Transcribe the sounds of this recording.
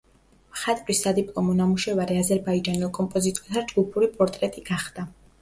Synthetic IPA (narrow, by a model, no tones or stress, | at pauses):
χat̪ʼɾisad̪ipʼlˠɔmɔnamuʃɛvaɾɛazɛɾbaid͡ʒanilˠkʼɔmpʼɔzit̪ʼɔɾt̪ʰad͡ʒɡupʰuɾipʼɔɾt̪ʼɾɛt̪ʼiɡ̥aχd̪̥a